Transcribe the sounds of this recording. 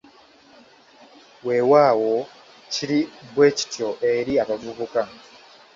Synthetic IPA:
we̞ːwaːwo̞ | ciɾiβwe̞ːci̥tjo̞ʔe̞ɾiaβavuβuka

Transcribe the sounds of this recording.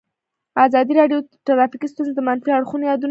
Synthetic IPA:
azɑd̪iɾɑɖjoʈaɾɑfikist̪unzed̪əmanfiaɽxunojɑd̪un

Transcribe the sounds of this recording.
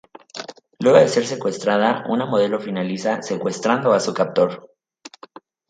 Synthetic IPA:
lwe̞ɣo̞ðe̞se̞ɾse̞kwe̞st̪ɾaðaunamo̞ð̞e̞lo̞finalisase̞kwe̞st̪ɾand̪o̞asukap̚t̪o̞ɾ

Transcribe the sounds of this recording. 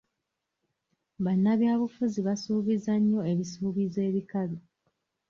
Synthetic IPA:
βanːaβjaːβufuziβasuːβizaɲːo̞e̞βisuːβize̞ːβikalu

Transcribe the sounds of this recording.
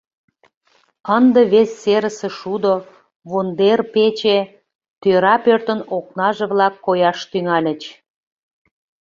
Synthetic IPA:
ənd̪əβesːeɾəseʃud̪o | βond̪erpet͡ɕe | t̪øɾɑpørt̪ənok̚nɑʒeβlɑkːojɑʃt̪yŋɑlʲə̆t͡ɕ

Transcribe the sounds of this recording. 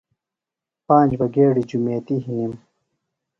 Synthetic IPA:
pãːnd͡ʑbɐɡeːɽid͡ʑumeːt̪iɦinim

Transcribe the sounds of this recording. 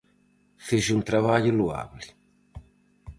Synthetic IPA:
fiʒunt̪ɾaβaʎulua̰bli

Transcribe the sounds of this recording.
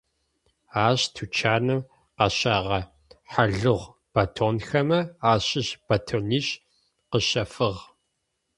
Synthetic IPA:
aːɕtʰut͡ʃʰaːnɨm | qɐɕaːʁɐ | ħaɮɨʁʷ | b̥ɐtʰoːnxɐmɐaːɕɪɕb̥ɐtʰoːniːɕ | qəɕɐfɨʁ

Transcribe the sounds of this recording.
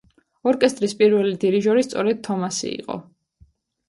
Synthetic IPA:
ɔɾkʼɛst̪ʼɾispʼiɾvɛlid̪iɾiʒɔɾist̪sʼɔɾɛd̪̥̚t̪ʰːɔmasḭḭqʼɔ̰

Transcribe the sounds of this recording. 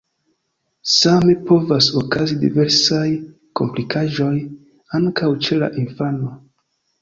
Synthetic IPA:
same̞po̞vasokazidḭve̞ɾsaj | ko̞̰mplikʰaʒo̞j | aŋkʰawt͡ʃe̞la̰ʔinfano

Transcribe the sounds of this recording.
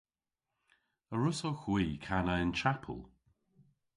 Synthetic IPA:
əɹʊsoxwiːkʰanəɪnt͡ʃapʰə̰lˠ

